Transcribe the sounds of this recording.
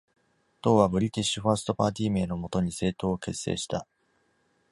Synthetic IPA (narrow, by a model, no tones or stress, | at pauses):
t̪o̞ːβabɯ̟ɾʲit̪ʲeɕiɸasɨ̥t̪o̞paːt̪ʲiːme̞ːno̞mo̞t̪o̞ɲ̟ise̞ːt̪o̞ːoke̞sːḛːɕi̥t̪a